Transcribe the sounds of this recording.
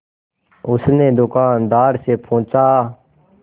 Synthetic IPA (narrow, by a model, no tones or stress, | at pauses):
ʊsneːd̪ʊkaːnd̪aːɾseːpʰõːt͡ʃaː